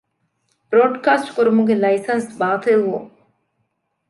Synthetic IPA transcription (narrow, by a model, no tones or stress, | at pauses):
b̥ɾoːɖkaːsʈkuɾumuɡelɐjsɐnsbaːt̪elʋo